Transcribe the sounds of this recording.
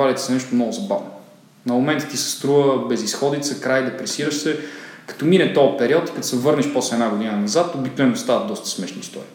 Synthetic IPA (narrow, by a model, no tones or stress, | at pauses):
alit̪ɛ̥sɛnɛʃt̪omnɔɡʊzɐba̰vno | nɐmomɛnt̪ə̥t̪isɛ̥st̪ɾuvəbɛzisxɔd̪it̪səkɾajd̪ɛpɾɛsiɾəʃsɛkɐ̥t̪ɔminɛt̪ɔpɛɾiɔt̪i̥kt̪sɛvɤɾnɛʃpɔslɛːd̪aɡod̪inənɐzat̪obikt̪uvɛnːost̪avɐt̪d̪ɔst̪ə̥smɛʃnḭːst̪ɔ̰ɾḭː